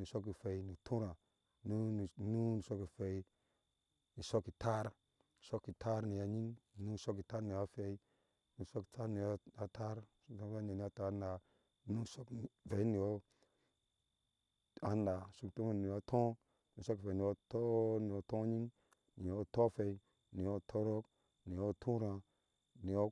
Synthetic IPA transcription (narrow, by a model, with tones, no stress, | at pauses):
ni˨so˦k̬ːi˨fe˨i˨ni˨tʰu˦ɾa˨ | nu˦˨nu˦ni˨so˦kːi˨fe˨i˦ | ni˨so˦kːi˨ta˦ɾ | i˨so˦kːi˨tʰa˦ɾni˨ja˨ɲi˦ŋ˨nu˦˨so˦kːi˨ta˦ɾni˨ja˦fe˨i˦ | ni˨so˦ki̥˨ta˦ɾni˨ja˦a˦ta˦ɾu˦to˦e˦˨a˨i˦a˦ta˨˦na˨ | nu˦so˦kve˨i˦ni˨jo˦ | a˦nda˨su˦kto˦m˦˨ni˨jo˦tʰõ˦ | nu˦so˦ki˨ve˨˦ni˨o˦to˦ni˨o˦tõ˦ɲi˦ŋ | ni˨jo˦to˦fe˨i˨ | ni˨jo˦tʰo˦ɾo˦k | ni˨jo˦tʰu˦ɾã˨ | ni˨jo˦